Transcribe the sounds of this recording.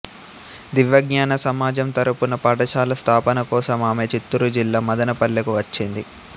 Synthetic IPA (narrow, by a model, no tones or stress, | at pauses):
d̪iʋjɐɡɲaːnɐsɐmaːd͡ʒɐmt̪ɐɾupunɐpɐʈɐʃaːlɐst̪ʰaːpɐnɐkɔːsɐmaːmet͡ʃit̪ːuɾud͡ʒilːaːmɐd̪ɐnɐpɐɭːɐkuʋɐt͡ʃːind̪i